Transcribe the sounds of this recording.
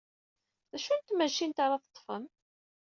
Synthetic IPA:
ðæʃunt̪mæʃint̪ɑɾˤɑθət̪ˤːfəm

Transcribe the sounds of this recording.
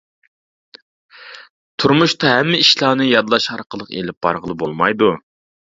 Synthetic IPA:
t̪ʰuɾmuʃt̪ɑɦɛmːɪiʃlˠɑːnɨjɑd̪lˠɑʃɑɾqəlˠəqḛlɪp̚b̥ɑ̰ɾʁəlˠɨbolˠmɑjd̪u

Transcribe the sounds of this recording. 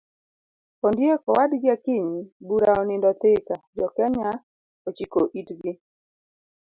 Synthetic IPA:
ɔndjekɔwadɡakɪɲibuɾaɔnɪndɔt̪ɪkad͡ʒɔkɛɲa | ot͡ʃikoʔitɡɪ

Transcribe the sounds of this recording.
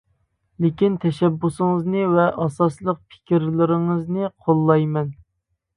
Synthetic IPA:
lɪkʲint̪ʰɛʃɛbːusɨŋəznɨvɛʔɑsɑslˠəq̚pʰɪ̥kʲiɾlɪɾɪŋɨznɨqʰolˠːɑjmɛn

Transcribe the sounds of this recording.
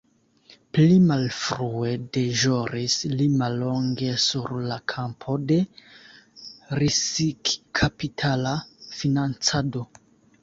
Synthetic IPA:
plimalfɾue̞de̞ʒo̞ɾislimalːo̞ŋɡe̞suɾlakʰampʰo̞de̞ | ɾisikkʰapitʰalafinant͡sado̞

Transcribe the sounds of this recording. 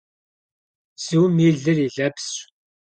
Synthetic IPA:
siwmiɮəɾiɮæps

